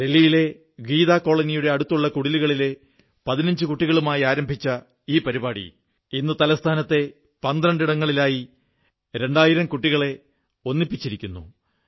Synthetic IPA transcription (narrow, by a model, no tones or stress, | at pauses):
de̞lːijile̞ | ɡiːðaːko̞ːɭɐnijuɽe̞ɐɽut̪ːuɭːɐkuɽiluɣɐɭile̞ | pɐðinɐɲd͡ʑɨkuʈːiɣɐɭumaːjiaːɾɐmbʱit͡ɕːɐ | iːpɐɾibaːɽḭ | inːɨt̪ɐlɐst̪ʰaːnɐt̪ːe̞ | pɐnd̪rɐɳɖiɽɐŋːɐɭilaːji | ɾe̞ɳɖaːjiɾɐmkuʈːiɣɐɭe̞ | o̞nːipːit͡ɕːiɾikʲːunːṵ